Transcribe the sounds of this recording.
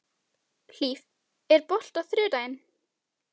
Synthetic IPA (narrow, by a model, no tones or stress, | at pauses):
l̥iːf | ɛɾpɔl̥t̪awθɾʏːt̪ajɪn